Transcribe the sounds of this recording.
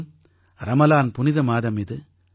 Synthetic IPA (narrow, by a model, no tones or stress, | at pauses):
m | ɾɐmɐlaːnpʊnɪðɐmaːðɐmɪðɯ